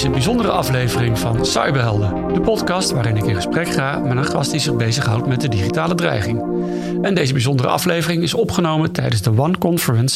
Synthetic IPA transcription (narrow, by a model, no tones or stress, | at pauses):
sənbizɔndərə̰ʔɑflejvərɪŋvɑ̰nsɑ̰jbəɦɛlˠdə | d̥əpɔtkɑstʋaːɾɪnɪkɪ̃nχə̥sprɛkχaːmanaχɑstdizɪχbejzəχɦʌ̰wtmɛt̚dədiχitaːlədrɛ̰jχɪŋ | ɛndejzəbizɔndərə̰ʔɑ̰flejvərɪŋɪsɔpχənowmətɛjdənzdəʋɑnkɔnfəɹəns